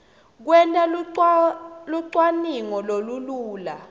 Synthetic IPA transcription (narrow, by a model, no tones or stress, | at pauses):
k̬wɛntʼal | luǀwaniŋɔloluluːla